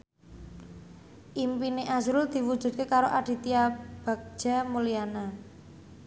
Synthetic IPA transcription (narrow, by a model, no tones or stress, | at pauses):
ʔimpiniʔasɾuld̪̥i̤wud̥ʒ̥ṳd̪t̪̚kekaɾoʔaɖ̥i̤t̪iab̥a̤k̚d͡ʒ̥a̤muliana